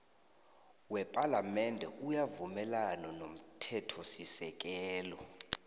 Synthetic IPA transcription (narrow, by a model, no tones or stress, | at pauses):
wɛpʼalamɛndʱɛʔujavumɛlanɔnom̩tʰɛtʰɔsisɛk̬ʼɛːlɔ